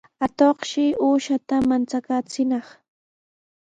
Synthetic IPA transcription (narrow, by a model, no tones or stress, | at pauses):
at̪oχʃɪʔuːʃat̪amant͡sakaːt͡sɪnɑχ